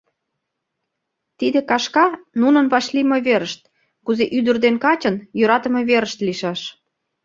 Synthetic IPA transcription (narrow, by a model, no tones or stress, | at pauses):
t̪id̪ekɑʃkɑnunənβɑʃlimɤβeɾəʃt̪̚ | kuzeʔyd̪ə̆rd̪enkɑt͡ɕə̆njøɾɑt̪ə̆meβeɾəʃt̪liʃɑʃ